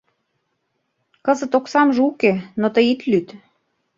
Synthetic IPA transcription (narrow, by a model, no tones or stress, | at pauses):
kɤ̆zə̆t̪oksɑmʒɤukenot̪əit̪lyt̪